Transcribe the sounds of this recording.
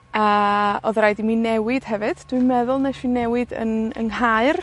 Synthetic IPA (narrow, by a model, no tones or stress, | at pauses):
əːoðɾajdiminɛwɪd̥hɛvɨd̥d̥wiɨmɛðʊlˠnɛʃinɛwɪdə̰nə̰nɦaɨr